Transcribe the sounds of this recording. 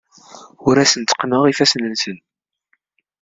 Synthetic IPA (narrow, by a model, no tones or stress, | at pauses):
ʊɾæsənt̪ːə̥qnəʁifæsnənsən